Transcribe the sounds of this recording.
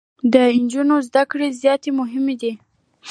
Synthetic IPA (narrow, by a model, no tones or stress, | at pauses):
d̪əɪnd͡ʒunozd̪akɽezjɑt̪emʊɦɪmed̪i